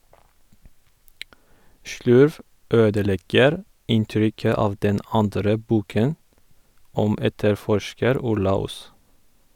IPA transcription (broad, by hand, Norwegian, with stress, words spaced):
ˈʃɭʉɾʋ ˈøːdəˌlɛɡəɾ ˈɪnˌtɾʏkə ˈɑːʋ ˈdɛn ˈɑndɾə ˈbuːkən ˈɔm ˈɛtəɾˌfɔʃkəɾ ˈʊɾlɑ ˈuːs